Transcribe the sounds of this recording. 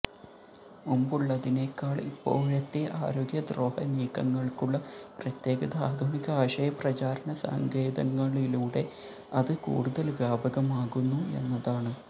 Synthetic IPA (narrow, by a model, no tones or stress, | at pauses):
mumbuɭːɐðine̞kːaːɭipːo̞̰ːɭɐt̪ːiɐʔa̰ːɾo̞ːɡjɐd̪ro̞ːhɐ̰niːkːɐŋːɐɭkuɭːɐprɐt̪je̞ːɡɐðɐaːd̪ʱuniɣɐaːɕɐjɐprɐt͡ɕaːɾɐnɐsɐ̰ŋɡeːd̪ɐŋːɐɭiluːɽe̞ | ɐðɨkṵːɽuðɐlʋjaːbɐɣɐmaːɣunːue̞̰nːɐðaːɳɨ